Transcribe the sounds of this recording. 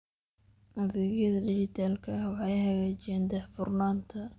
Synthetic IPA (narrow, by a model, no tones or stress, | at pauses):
ʔɐðɪɣjɐðɐdɪt͡ʃɪt̪ʰaːlkʰɐwɑħɑjhɐɣaːt͡ʃɪɛːnd̪ɛħfʊrnaːnt̪ʰɐ